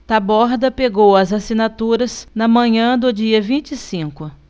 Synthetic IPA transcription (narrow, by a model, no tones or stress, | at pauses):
t̪abɔɾd̪ɐpeɡowɐzasinat̪uɾɐsnɐmɐ̃ɲɐ̃d̪ʊd͡ʒiɐvĩt͡ʃisĩkʊ